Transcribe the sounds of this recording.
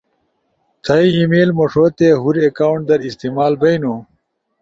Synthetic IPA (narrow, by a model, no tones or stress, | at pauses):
t̪ʰɐiimeːlmoʂot̪eɦuɾekaːwuɳʈ̚d̪ɐɾist̪iːmaːlbɐinu